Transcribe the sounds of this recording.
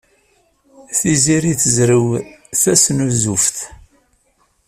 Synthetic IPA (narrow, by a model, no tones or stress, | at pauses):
θiziɾiθəzɾəwθæsnuzufθ